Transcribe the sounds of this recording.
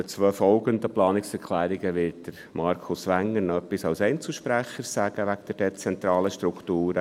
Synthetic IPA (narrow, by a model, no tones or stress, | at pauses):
ət͡sʋœfɔlɡənd̪əplɑːnɪksɛɾkʰlæːɾiɡəʋɪt̚d̥əɾ | mɑɾkʰʊsʋæŋːəɾnɔœpːisɑwsɛɪnt͡sl̩ˠʃpɾæχəɾsæɡ̥əʋækd̥ɛɾd̥ɛt͡sɛnt̪ɾɑːləʃtɾukʰtuːɾə